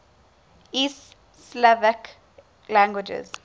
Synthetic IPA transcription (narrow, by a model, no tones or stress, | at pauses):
is | slɛvək | læ̃ŋɡwɪd͡ʒə̰z̥